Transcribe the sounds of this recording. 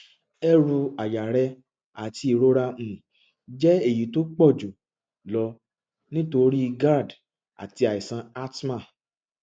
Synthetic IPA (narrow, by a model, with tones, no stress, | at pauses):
ɛ˦ɾu˧a˨ja˨ɾɛ˧ | a˨ti˧i˨ɾo˦ɾa˧mũ˨ | d͡ʒɛ˦e˦˨ji˨˦to˦k͡pɔ˦˨d͡ʒu˨ | lɔ˧ | nĩ˦to˧ɾi˦˧ɡa˦˨d | a̰˨ti˧a˨i˨sã˧a˦tma˦˨